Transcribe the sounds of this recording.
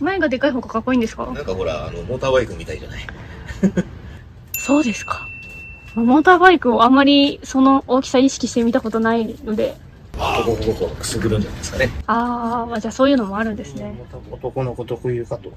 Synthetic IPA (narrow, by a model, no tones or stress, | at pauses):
maeɡad̪e̞kaiɦo̞ːkakakːo̞ĩːnd̪e̞sɨ̥ka̰ãŋkaɦo̞ɾa̰ːnomoːt̪aːβaikɯ̟mʲit̪aid͡ʑa̰nai | so̞ːd̪e̞sɨ̥kḁ | mamo̞ːt̪aːbaikɯ̟o̞amːaɾʲiso̞no̞ʔoːkʲi̥saiɕi̥kʲiɕi̥t̪e̞mʲit̪ako̞t̪o̞naino̞d̪e̞ | okokokoɡokoakɯ̟̥sɨɡɯɾɯ̃ɲd͡ʑanajd̪eskane̞aːmad͡ʑaːso̞ːjɯ̟ːnomo̞aɾɯ̟̃nd̪esɨne̞t̪ot̪okonokot̪okojiɯkat̪o